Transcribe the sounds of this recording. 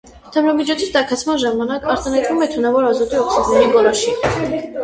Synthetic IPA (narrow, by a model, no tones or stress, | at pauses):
t̪ʰəmɾɑmit͡ʃʰɔt͡sʰit̪ɑkʰɑt͡sʰmɑnʒɑmɑnɑkɑɾt̪ɑnɑjt̪vumɛt̪ʰunɑvɔɾɑzut̪iɔksiɡɛniɡɔɾɔʃi